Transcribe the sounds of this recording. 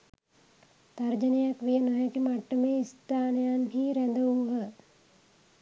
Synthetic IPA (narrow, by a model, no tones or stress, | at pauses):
t̪aɾd͡ʒənejakʋijənoɦakimaʈːəmeːist̪aːnejanɦiːɾænd̪əuɦə